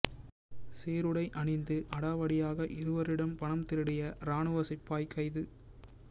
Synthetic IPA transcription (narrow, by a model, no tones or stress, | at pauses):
seːɾɯɽɐɪʔɐɳɪnd̪ɯʔɐɽaːʋɐɽɪjaːɣɐʔɪɾɯʋɐɾɪɽɐmpɐɳɐmt̪ɪɾɯɽɐjɐɾaːɳɯʋɐsɪpːaːjkːɐɪðɯ